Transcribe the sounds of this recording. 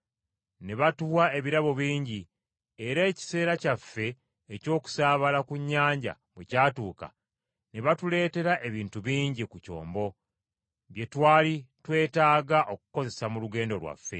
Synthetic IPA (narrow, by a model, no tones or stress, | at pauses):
neβatuβwae̞βiɾaβo̞βiːɲɟi | eɾe̞ːci̥se̞ːɾacafːe̞ː | co̞ːku̥saːβalakuɲːaːɲɟa̰mwecaːtuːka̰ | neβatule̞ːte̞ɾaʔe̞βiːntuβiːɲɟikuco̰ːmbo̞ | βje̞twaːlitwe̞ːtaːɡaʔo̞ku̥ko̞ze̞samuluɡe̞ːndo̞lwa̰fːe̞̰